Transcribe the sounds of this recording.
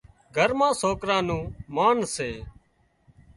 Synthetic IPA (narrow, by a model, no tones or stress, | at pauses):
ɡʱəɾmãːsoːkɾãːnũːmaːnseː